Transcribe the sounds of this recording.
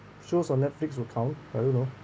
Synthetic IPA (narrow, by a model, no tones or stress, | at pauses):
ʃosɔ̃nɛtflikswukʰãʊ̃naɪdõnːo